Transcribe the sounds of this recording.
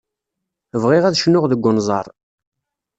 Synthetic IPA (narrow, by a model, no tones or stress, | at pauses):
əvʁɪʁæðʃnːʊʁðəɡʷːʊnzˤɑɾˤ